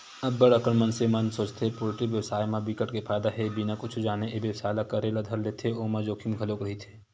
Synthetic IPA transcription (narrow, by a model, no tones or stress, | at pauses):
ɐbːəɽɐkəɳmɐnsemɐnsoːt͡ʃt̪ʰepoːzɪʈɪkjɐʋsaːjmãbikəʈkefʰaːjd̪aɦɛbinakʊt͡ʃʰud͡ʒaːneʔebjewsaːjlakɐɾelad̪ʱɐɾleːt̪ʰeoːmãd͡ʒoːkʰimɡʱɐloːkɾɐɦit̪ʰe̥ː